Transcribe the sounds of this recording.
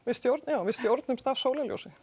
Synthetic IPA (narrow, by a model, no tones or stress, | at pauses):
ʋɪst̪iɔɾt̪njaːwvɪst̪iɔɾt̪nʏmst̪aːfsoːwlaljo̰wsɪ